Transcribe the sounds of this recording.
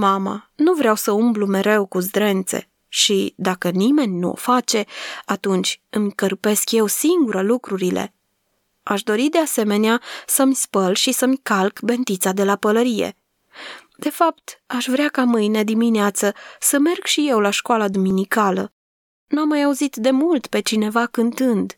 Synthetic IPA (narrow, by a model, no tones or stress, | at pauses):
mama̰nuvɾeawsəumblume̞ɾe̞wkuzd̪ɾe̞nt̪se̞̰ | ʃid̪akənime̞nʲnuo̰fat͡ʃe̞at̪unt͡ʃʲɨmʲkərpe̞skje̞wsiŋɡuɾəlukɾuɾile̞̰ | aʃd̪o̞ɾid̪e̞ase̞me̞neasəmʲspəlʃisəmʲkalkbe̞nt̪it̪sad̪e̞lapələɾije̞̰ | d̪̥e̞fapt̪aʃvɾeakamɨjne̞d̪imineat̪səsəme̞rɡʃije̞wlaʃkoalad̪uminikalə | nuamːajauzit̪d̪e̞mult̪pe̞t͡ʃine̞vakɨnt̪ɨnd̪